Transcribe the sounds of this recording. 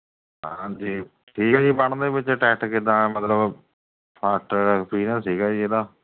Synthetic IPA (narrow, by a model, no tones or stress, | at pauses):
ɦãːd͡ʒiː | ʈʰiːkːd͡ʒiːpəɳd̪eːbɪt͡ʃʈɛːʈkid̪ãːmət̪ləb | pʰaʈːaːpʰiːnaːssiːkaːd͡ʒiːeːd̪aː